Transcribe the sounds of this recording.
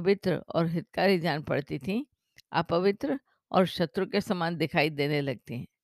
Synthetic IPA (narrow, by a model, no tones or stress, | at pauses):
ʋɪt̪ɾə̰ɔ̰ːɾɦɪt̪̚kaːɾid͡ʒaːnpɐ̰ɽt̪it̪ʰĩ | a̰ːpɐʋɪt̪ɾə | ɔ̰ːɾʃɐt̪ɾukesɐmaːnd̪ɪkʰaːid̪eːnelɐɡ̚t̪iɦɛ̃ː